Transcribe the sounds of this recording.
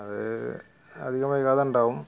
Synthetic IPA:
ɐðɨ̰ | ɐ̰d̪ʱiɣɐmaːjkaːðɐuɳɖaːʋum

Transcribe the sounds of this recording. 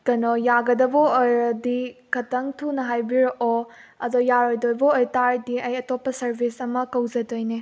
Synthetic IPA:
kɐnojaɡɐdɐboojɾɐdikʰɐtɐŋtʰunɐɦajbiɾʔoɐdɔjaɾojdojboːjtaɾdiɐjɐtopːɐsɐɾbʱisɐmɐkɐwzɐdojne

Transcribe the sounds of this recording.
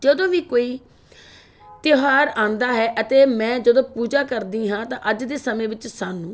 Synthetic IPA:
d͡ʒəd̪õːʋiːkoːiː | t̪ɪɦaːɾãːnd̪aːɦɛːʔət̪eːmɛ̃ːd͡ʒəd̪õːpuːd͡ʒaːkəɾd̪iːɦãːt̪ãːʔəd͡ʒd̪eːsəmẽːʋɪt͡ʃsaːnũː

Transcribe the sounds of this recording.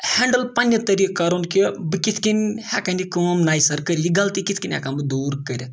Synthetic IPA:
hɛɳɖəlpɐnʲjɐt̪ɐɾikːɐɾonkibɨkit̪ʰkinʲhɛkanikəːmnaːjsɐɾkəɾiɡɐlt̪ikit̪ʰʲkinʲhɛ̰kanbɨd̪uːɾkəɾʲi

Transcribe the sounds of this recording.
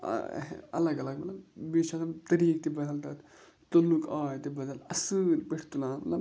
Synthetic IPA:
ɐlɐɡɐlɐɡ̚mɐt̪lɐbbiːʃat̪t̪ɐɾiːk̚t̪ibɐd̪ʱɐlt̪at̪ | t̪olukʰaːjt̪ibɐd̪ɐlɐsɨlpeʈʰt̪ulãːnmɐt̪lɐb

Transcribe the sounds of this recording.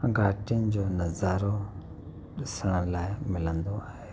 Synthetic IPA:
ɡʱaːʈijənɪ̆d͡ʑoːnɐzaːɾo | ɗɪsəɽ̃əlaːɪmɪlə̃nd̪oaːɦeː

